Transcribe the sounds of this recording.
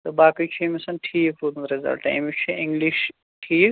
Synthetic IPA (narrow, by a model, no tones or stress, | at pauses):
t̪ɐbaːkit͡ʃʰimesɐnʈʰiːkud̪ɾizɐ̰lʈã̰ːmikt͡ʃʰiĩŋɡliʃ | ʈʰiːk